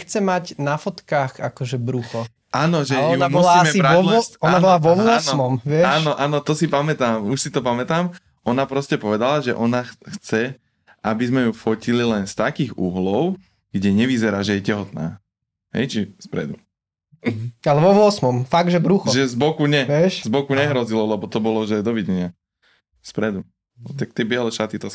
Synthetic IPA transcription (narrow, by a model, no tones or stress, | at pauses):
xt͡sɛmaɟnafɔt̪kaːxakɔʒɛbɾuxɔ | ʔaːnɔʒɛambuslaamɛiɾaɔlɔɔnabɔlaʋɔʋʊɔnsmɔmʋɪɛaʃːnɔʔaːnɔt̪ɔsipamɛt̪aːmuʃsit̪ɔpamɛt̪aːm | ʔɔnapɾɔscɛpɔʋɛd̪alaʒɛ̰ʔɔnaxxt͡sɛ | ʔabizmɛjufɔcililɛnst̪akiːɣṵɦlɔʊ | ɡ̥ɟɛɲɛʋizɛɾaːʒɛjɛcɛɦɔt̪na̰ː | ɦɛ̰jt͡ʃispɾɛ̰d̪u | alɛʋɔʋɔsmɔmfaɡ̚ʒɛbɾuxɔʒɛzbɔkuɲɛʋɪɛʃzbɔkuɲɛɦɾɔzilɔlɛbɔt̪ɔbɔlɔʒɛd̪ɔʋiɟɛɲɪa | spɾɛd̪u | t̪ak̚t̪ɪɛbɪɛlɛʃat̪it̪ɔs